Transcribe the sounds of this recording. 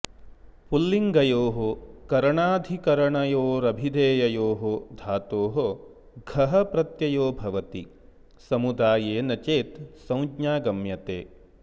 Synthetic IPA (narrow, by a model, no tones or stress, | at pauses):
pulːiŋɡɐjoːɦokɐɾɐɳaːd̪ʱikɐɾɐɳɐjoːɾɐbʱid̪eːjɐjoːɦod̪ʱaːt̪oːɦo | ɡʱɐɦɐpɾɐt̪jɐjoːbʱɐʋɐt̪i | sɐmud̪aːjeːnɐt͡ʃeːt̪sɐ̃w̃d͡ʒɲaːɡɐmjɐt̪ḛː